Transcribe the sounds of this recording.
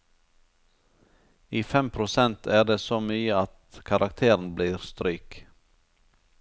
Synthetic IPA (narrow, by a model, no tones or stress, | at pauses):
iːfɛmpʰɾʊsɛnt̪ʰæːɖeːsoːmyːəɑt̪kʰɑɾʔɑkt̪ʰeːɾn̩bliːɾst̪ɾyːk